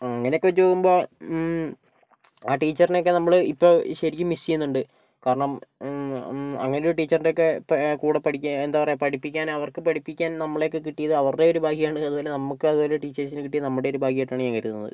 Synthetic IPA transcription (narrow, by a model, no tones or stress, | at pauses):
ɐŋːɐneokːuʋɐt͡ɕːupoːɣumbo̞ː | aːʈiːt͡ɕːɐrineo̞k̬ːe̞nɐmːɐɭipːo̞ːɕɐɾikʲːumːisijunːuɳɖɨ | kaːɾɐɳɐm | ɐ̰ŋːɐneoɾuʈiːt͡ɕːɐrindeokːe̞pkuːɽɐpɐʈʰikʲːend̪aːpɐrepɐʈipːikʲːaːnɐʋɐrkɨpɐʈʰipːikʲːaːnnɐmːɐɭejo̞k̬ːe̞kiʈːijɐðɨɐʋɐrɖe̞o̞ɾubʱaːɦijaːɳɨɐðuboːle̞nɐmːukːɨɐðuo̞ːle̞ʈiːt͡ɕːɐrs̬inkiʈːijɐnɐmːuɽe̞oɾubʱaːɦijɐeʈːaːɳɨɲaːŋkɐɾit̪ːnːɐ̰ðɨ